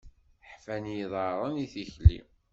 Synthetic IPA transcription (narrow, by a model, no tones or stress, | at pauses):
ħfænjiðˤɑɾˤəniθiçlḭ